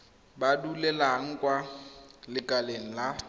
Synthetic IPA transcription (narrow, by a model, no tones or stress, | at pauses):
badulɛlaŋ̩kʼwalɪkʼaleŋ̩la